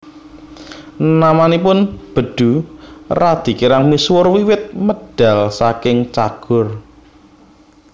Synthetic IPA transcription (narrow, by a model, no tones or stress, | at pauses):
namanipʊnb̥ə̤ɖ̪̥ṳrad̪̥i̤kiɾaŋmiswʊrwiwɪt̪̚məɖ̥a̤lsakɪŋt͡ʃaɡ̥ʊ̤r